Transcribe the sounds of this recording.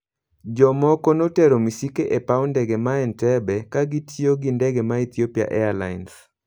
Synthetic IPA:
d͡ʒɔmɔkɔnotɛɾomisikeʔepaɔndɛɡemaɛntɛbɛkaɡitʰjoɡindɛɡemait̪iopia̰ʔɛala̰ins

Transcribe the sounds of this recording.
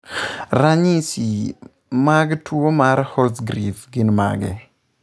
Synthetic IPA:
raɲisi | maɡtwomaɾhɔsɡɾifɡɪnma̰ɡɛ̰

